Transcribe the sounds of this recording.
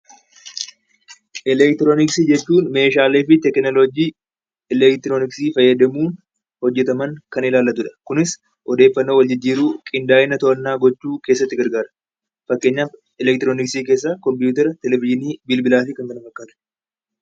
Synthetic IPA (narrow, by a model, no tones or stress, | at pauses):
ʔɛlɛkt̪ɪɾoːnɪksiːd͡ʒɛt͡ʃːuːnme̞ːʃaːleːfɪt̪ɛknɔlod͡ʒiː | ɛlɛkt̪ɪɾoːnɪksiːfɐjːɐd̪ɐmuːn | hɔd͡ʒːɛt̪ɐmɐŋkɐnɪlaːlːɐt̪ʊᶑɐ̥kʊnɪs | ʔɔd̪e̞ːfːɐnːoːwɐld͡ʒɪd͡ʒːiːɾuːkʼɪnd̪aːʔɪnɐt̪ɔʔɐnːaːɡɔt͡ʃːuːke̞ːsːɐt̪ːɪɡɐɾɡaːɾɐ̥ | fɐkːeːɲːaːf | ɛlɛkt̪ɪɾoːnɪksiːk̬e̞ːs̬ːaːkɔmpjuːt̪ɐɾɐt̪ɛlɛvɪʃɪniːbɪlbɪlaːfɪkɐŋk̪ɐnɐfɐkːaːnɐ̥